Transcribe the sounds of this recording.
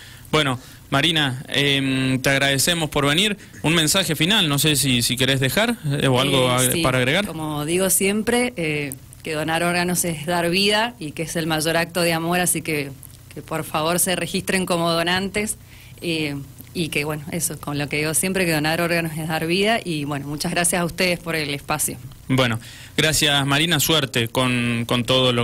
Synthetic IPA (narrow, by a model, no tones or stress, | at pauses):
b̥weno̞ | maɾinaemt̪eaɣɾaðesemospo̞ɾβe̞niɾ | unmẽnsaxe̞finalno̞sesisike̞ɾezðexaɾoalɣopaɾaːɣɾeɣaɾkomoðiɣo̞sje̞mpɾee | keðo̞naɾo̞ɾɣanosezðaɾβiðaikeese̞lmaʒo̞ɾak̚t̪oð̞eamo̞ɾasike | kepoɾfaβo̞ɾsere̞xist̪ɾe̞ŋko̞moð̞o̞nãnt̪es | eikeβwenoesokolo̞ke̞ðiɣo̞sje̞mpɾekeðo̞naɾo̞ɾɣanosezðaɾβiðaʔiβwe̞no̞mut͡ʃaɣɾasjasaust̪eð̞espo̞ɾelespasjo | bweno | ɣɾasjasmaɾinaswɛɾt̪ekonkont̪oðolo